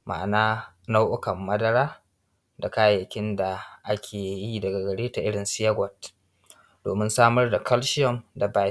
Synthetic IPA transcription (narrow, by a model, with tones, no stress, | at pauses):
mʔa̰˨ʔnaː˦ | na˦wʔʊ˦kɐ˨mːɐ˦dɐ˦ɽaː˦ | da˨kaː˦jjɐ˨kʲɪ˦nda˨ʔa˦kʲʰeː˨ji˦dɐ˨ɡa˨ɡɐ˨ɽeː˦ta˨ʔɪ˦ɽɪ˨nsɪ˦jɐ˦ɡʷɔ˨t̚ | d̥oː˨mɪ˦nsaː˦mɐ˦rda˨kʰɐ˦lʃɪ˦jɔ˨mda˨baː˦